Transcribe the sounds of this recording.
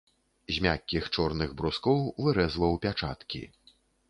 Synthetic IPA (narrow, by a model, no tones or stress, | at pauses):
zʲmʲakʲːixt͡ʂɔrnɨɣbɾuskɔwvɨɾɛzlɐwpʲat͡ʂa̰t̪kʲḭ